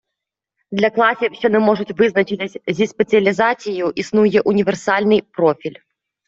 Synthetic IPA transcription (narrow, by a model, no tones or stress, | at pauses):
d̪lʲɐklˠɑsʲiwɕɔnɛmɔʐʊtʲʋɪznɐt͡ʃɪt̪ɪsʲzʲispet͡sʲiɐlʲizat͡sʲijuʔisnujɛʔunʲiʋɛrsɑlʲnɪjpɾɔfʲilʲ